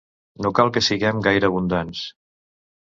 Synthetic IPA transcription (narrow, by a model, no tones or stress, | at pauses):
nokalˠkəsiɣɛmɡajɾəβ̞und̪ans